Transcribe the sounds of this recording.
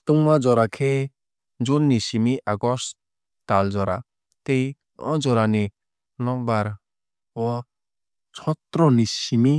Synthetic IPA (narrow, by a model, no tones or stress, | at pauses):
t̪uŋmad͡ʒɔɾakʰe | d͡ʒunːisimiʔaɡɔs | tald͡ʒɔɾa̰ | tej | ɔ̰̃d͡ʒɔɾani | lɔ̃baɾ | ɔ | t͡ʃʰɔt̪ɾɔnisimi